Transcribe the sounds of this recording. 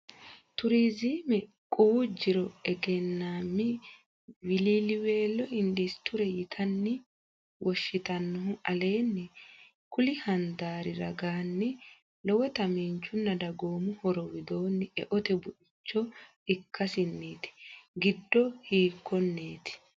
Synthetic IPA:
t̪ʊɾiːziːmɛ | kʼuːd͡ʒːɪɾɔɛɡɛnːaːmːɪ | wɪliːlɪwe̞ːlːɔɪndist̪ʊɾɛjɪt̪ʰɐnːɪ | wɔʃːɪt̪ɐnːɔɦʊɐle̞ːnːɛ | kʊlɪhɐnd̪aːɾɪɾɐɡaːnːɪ | lɔwɔt̪ɐmiːnt͡ʃːʊnːɐd̪ɐɡo̞ːmʊhɔɾɔwɪd̪o̞ːnːɪɛ̰ʔɔt̪ɛbʊʔɪt͡ʃːɔ | ɪkʰːɐsɪnːiːt̪ɪ̥ɡɪd̪ːɔhiːkːɔnːeːt̪ɪ̥

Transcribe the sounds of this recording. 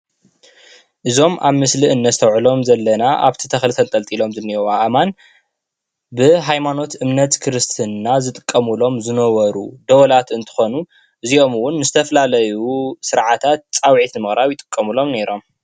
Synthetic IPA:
ʔɨzo̞mʔaβmɨsliɨnːɐst̪ʰɐwʕɨlo̞mzɐlːɐnaʔa̰βt̪ʰit̪ʰɐxlɨt̪ʰɐnt̪ʼɐlt̪ʼilo̞mzɨnːiwaʔman | bɨɦajmano̞t̪ɨmnɐt̪kʰɨɾɨst̪ʰɨnːazɨt̪ʼɨkʼːɐmulo̞mzɨnɐwɐɾṵd̪ɐwɐlat̪ɨnt̪ʰɨ̥xo̞nu | ʔɨzio̞mɨwʊnːɨzɨt̪ʰɐfɐlalɐjusɨɾʕat̪ʰat̪̚t͡sʼawʕit̪nɨmɨxɾaβjɪt̪ʼɨ̥kʼːɐmulo̞mne̞ɾo̞m

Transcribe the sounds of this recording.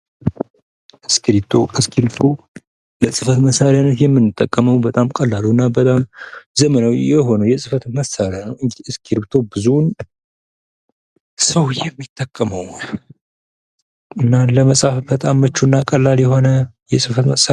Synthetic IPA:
ʔɨskʰiɾit̪ʰːoɨskʰiɾt̪ʰo | ləsʼɨfət̪məsːaɾanət̪jɛmːɨnːɨt̪ʼːəkʼːəməwbət̪ʼamkʼəlːaluɨnːabət̪ʼamzəmənawjɛɦo̞nəwjɛsʼɨfət̪məsaɾanəwɨŋɡiɨskʰiɾbt̪ʰo̞bɨzun | səwjɛmːit̪ʼːəkʼːəməw | ʔɨnːaləməsʼafbət̪ʼamːət͡ʃːuɨnːakʼəlːaljɛɦo̞nəjɛsʼɨfət̪məsa

